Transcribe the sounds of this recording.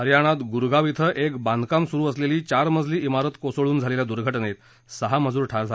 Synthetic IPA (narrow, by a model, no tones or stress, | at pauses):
ɦəɾjaɽ̃at̪ɡuɾɡaʋit̪ʰəʔekbãnd̪kamsuɾuːəsleliːt͡ɕaɾməd͡zʱliːimaɾət̪kosoɭuːnd͡zʱaleljad̪uɾɡʱəʈnet̪ | səɦaməd͡zuːɾʈʰaɾd͡zʱa